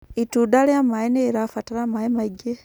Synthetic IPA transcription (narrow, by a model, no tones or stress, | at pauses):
itudaleamaeneɾafataɾamaemaɟe